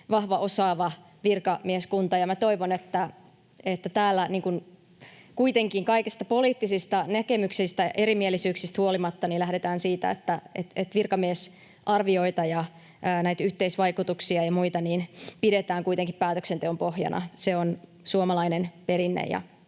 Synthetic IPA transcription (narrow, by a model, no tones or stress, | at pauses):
ʋɑhʋɑʔo̞sɑːʋɑ | ʋirkɑmieskunt̪ɑjɑmæt̪o̞iʋonet̪ːæ | et̪ːæt̪æːlːæniːŋkun | kuit̪eŋkiŋkɑikist̪ɑpo̞liːt̪ːisist̪ɑnækemyksist̪æʔeɾimielːisyːksist̪huolimɑt̪ːɑnilæhdet̪æːnsiːt̪æ̰et̪ːæet̪et̪ʋirkɑmies | ʔɑrʋioit̪ɑjɑ | ʔnæjt̪yht̪eisʋɑikut̪uksiɑjɑmuit̪ɑniːnpidet̪æːŋkuit̪eŋkippæːt̪øksent̪eompo̞hjɑ̰nʔɑ̰seonsuomɑlɑinenpeɾinːḛjɑ̰